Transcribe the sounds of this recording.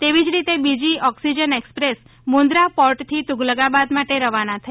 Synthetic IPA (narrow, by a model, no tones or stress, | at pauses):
t̪eʋid͡ʒɾit̪ebid͡ʒiɔksid͡ʒənekspɾes | mõnd̪ɾapɔɾʈt̪ʰit̪uɡləɡabad̪maʈeɾəʋanat̪ʰə